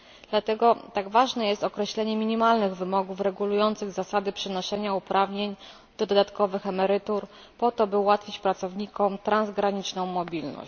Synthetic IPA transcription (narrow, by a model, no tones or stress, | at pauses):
d̪̥lat̪ɛɡɔt̪aɡvaʐnɛjɛst̪ɔkɾɛɕlɛɲɛmʲiɲimalnɘɣvɘmɔɡufɾɛɡulujɔnt̪sɘɣzasad̪ɘpʂɘnɔʂɛɲaupɾavɲeɲ | d̪̥ɔd̪ɔd̪at̪kɔvɘxɛmɛɾɘt̪uɾ | pɔt̪ɔbɘuwat̪fʲit͡ɕpɾat̪sɔvɲikɔmt̪ɾanzɡɾaɲit͡ʂnɔ̃w̃mɔbʲilnɔ̰ɕt͡ɕ